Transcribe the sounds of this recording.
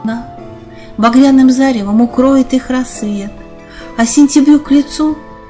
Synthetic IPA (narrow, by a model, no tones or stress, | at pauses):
na | bɐɡɾʲanɨmzaɾʲɪvəmʊkɾo̞ɪt̪ɨxrɐsːvʲe̞t̪ | ɐsʲɪnʲtʲɪbɾʲuklʲɪt̪su